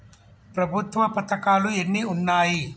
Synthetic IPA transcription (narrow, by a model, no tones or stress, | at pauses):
pɾɐbʱut̪ʋɐpɐt̪ɐkaːluenːiunːaːji